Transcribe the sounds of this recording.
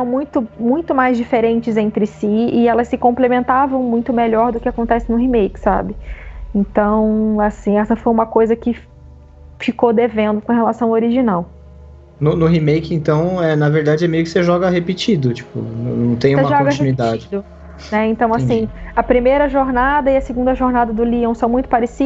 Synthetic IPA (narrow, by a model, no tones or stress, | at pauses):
ɛsɐ̃w̃mũj̃t̪ʊmũj̃t̪ʊmajzd͡ʒifeɾẽnt͡ʃɪzẽnt̪ɾɪsiɪɛlɐsːɪkõmplemẽnt̪avɐ̃w̃mũj̃t̪ʊmeʎɔɾd̪ʊkɪakõnt̪ɛsɪnʊɦimejkɪ̥sa̰bɪẽnt̪ɐ̃w̃asĩɛsɐfojũmɐkojzɐkɪ | fikod̪evẽnd̪ʊkõɦelasɐ̃w̃ɐoɾiʒinaw | nʊnʊɦimejkɪẽnt̪ɐ̃w̃ɛnɐveɾd̪ad͡ʒɪɛmejʊkɪ̥seʒɔɡɐɦepit͡ʃid̪ʊt͡ʃi̥pʊ̰nnɐ̃w̃t̪ẽj̃usemɐʒɔõɡɐt͡ʃinuiid̪ad͡ʒɪd̪ʊ | nɛẽnt̪ɐ̃w̃asĩɐpɾimejɾɐʒoɾnad̪ɐɪɐsɪɡũnd̪ɐʒoɾnad̪ɐd̪ʊliɐ̃w̃sɐ̃w̃mũj̃t̪ʊ̥paɾesi